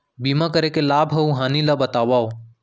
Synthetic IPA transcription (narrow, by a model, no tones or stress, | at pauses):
biːmãkəɾekelaːbʱɦɐũɦãːnilabət̪aːʋaːo